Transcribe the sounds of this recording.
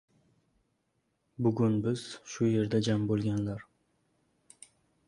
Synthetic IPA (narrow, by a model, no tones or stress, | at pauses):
bʊɡʲʊnbɪz̥ʃʊje̞ɾd̪ad͡ʒambolˠɡʲanlaɾ